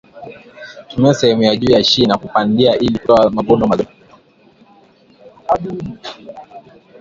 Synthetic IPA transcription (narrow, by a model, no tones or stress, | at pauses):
tumiasɛhɛmujaʄuːjaʃinakupandiaʔilitɔamaɡɔnɔmaɗɔ